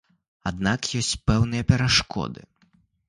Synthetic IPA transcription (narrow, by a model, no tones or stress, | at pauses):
ad̪nakjɔsʲt͡sʲpɛwnɨjɐpʲɛɾaʂkʰɔ̰d̪ɨ̰